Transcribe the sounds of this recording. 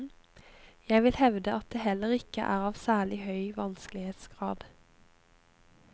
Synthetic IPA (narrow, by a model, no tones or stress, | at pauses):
jæɪʋɪlhɛʋd̪əʔɑt̪̚d̪eːɦɛlːəʁɪkə̰ʔæːʁɑːʋsæːɭɪhœʏʋɑnsklɪheːt̪sɡ̥ʁɑːd̪̥